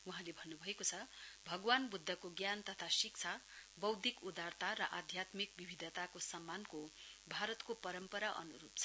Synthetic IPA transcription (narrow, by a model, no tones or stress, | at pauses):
uɦãlebʱʌnːubʱʌekot͡sʰʌbʱʌɡwanbud̪ʱːʌkoɡjant̪ʌt̪ʰasik̚t͡sʰabʌwd̪ikud̪art̪aɾʌʔad̪ʱjat̪mikbibʱid̪ʱʌt̪akosʌmːankobʱaɾʌt̪kopʌɾʌmpʌɾaʔʌ̰nuɾup̚t͡sʰʌ